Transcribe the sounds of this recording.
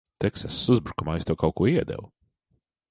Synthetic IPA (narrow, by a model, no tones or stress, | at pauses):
t̪ɛksɛsːuzbɾukumajst̪uwkawkuɔiɛd̪ɛ̰lu